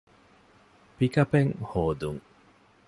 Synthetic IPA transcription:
pikɐpeŋhoːd̪uŋ

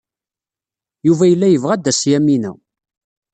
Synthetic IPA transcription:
juvæjəlːæjəvʁæd̪ːæsjæmːinæ̰

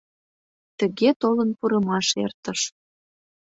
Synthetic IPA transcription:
t̪ə̆ɣet̪olənpuɾə̆mɑʃḛrt̪əʃ

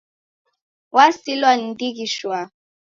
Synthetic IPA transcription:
wasilwan̩dikiʃwa

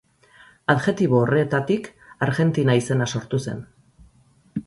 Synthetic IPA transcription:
aðɣe̞t̪iβoːret̪at̪ikaɾɣe̞nt̪inaise̞naso̞ɾt̪use̞̰n

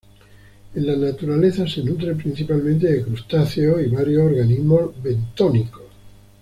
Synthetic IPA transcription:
ẽnlanat̪uɾale̞θase̞nut̪ɾepɾin̟θipalmẽnt̪eðekɾust̪aθeoiβaɾjosoɾɣanizmo̞zβe̞nt̪oniko

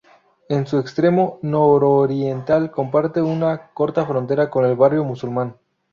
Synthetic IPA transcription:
ensuekst̪ɾe̞mo̞noɾoɾjent̪alko̞mpaɾt̪e̞unako̞ɾt̪afɾont̪e̞ɾako̞ne̞lβarjo̞musulmãn

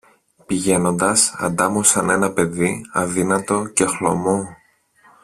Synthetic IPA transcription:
piʝe̞no̞nd̪ɐsɐ̰nd̪ɐmusɐne̞nɐpe̞ðiɐðinɐt̪o̞ce̞xlo̰mo

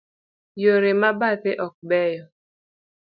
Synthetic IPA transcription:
joɾemabatɪʔɔk̚bɛjɔ

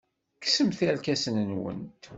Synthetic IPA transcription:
ksəmθiɾkæsənənwə̰nt̪

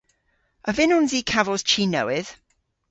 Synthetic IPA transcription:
ʔəvɪnɔnziːkʰavəz̥t͡ʃʰiːnəwɪð̥

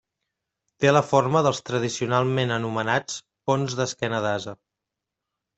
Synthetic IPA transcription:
t̪eləforməðəlˠst̪ɾəð̞isiunalˠmenənumənat͡s | fonzðəskɛnəðazə

